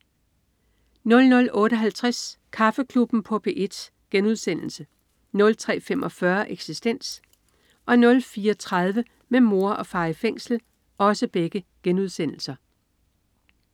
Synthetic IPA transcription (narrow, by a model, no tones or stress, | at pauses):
nɔ̽lnɔ̽lɔ̽ːɾəɒ̽ɦælt͡sʰʁaskʰɑ̈fəkʰlub̥n̩pʰɒ̽pʰe̝ʔe̝d̥s | ɡ̥enuð̞ˠsen̰l̩sə | nɔ̽lt͡sʰʁɛ̰ːfemʔɒ̽fɶɐʔeɡ̥sisd̥en̰s | ʔɒ̽nɔ̽lfiːɒt͡sʰʁɑð̞ˠʋə | memo̝ɐʔɒ̽fɑ̈ːɪfeŋ̰sl̩ | ɒ̽səb̥eɡ̥əɡ̥enuðˠsen̰l̩sɐ